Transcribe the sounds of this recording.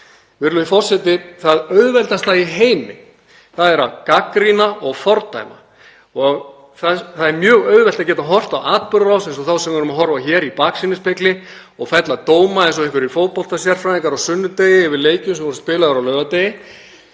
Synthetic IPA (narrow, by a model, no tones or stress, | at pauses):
vɪɾlʏifɔr̥sɛt̪ɪθaðœɥðvɛlt̪ast̪aiɦeːjmɪ̰ | θaðɛɾaðkakɾinaɔɣfɔɾt̪a̰jma̰ | ɔɣ | θaθaðɛɾmjœːɣœɥðvɛl̥t̪acɛːt̪aɦɔr̥t̪awaːt̪̚pʏɾɾawsɛnsɔθawsɛmvɛɾʏmaɦɔɾvaçɛːɾipaksinɪspɪklɪ | ɔɣfɛt̪lat̪oːwmaɛjnsɔɛhkvʏɾifoːwt̪pɔlt̪asjɛɾ̥fɾamɛŋkaɾawsʏnːʏt̪eːjɪɛvɪɾleːjcʏmsɛmvɔɾɪ̥spɪːlaðʏɾawlœːvat̪eːjɪ